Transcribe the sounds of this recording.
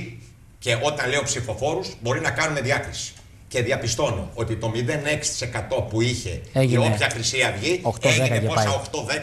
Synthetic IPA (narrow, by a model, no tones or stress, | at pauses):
ce̞o̞t̪ɐnle̞o̞psifo̞fo̞ɾuzbo̞ɾinɐkɐnune̞ðiɐkɾisi̥ | ce̞ðiɐpist̪o̞no̞̰o̞t̪it̪o̞miðe̞ne̞ksi̥t̪i̥se̞kɐt̪o̞puiçe̞ioçɐxɾisiɐvʝiteʝineposɐoxt̪o̞ðe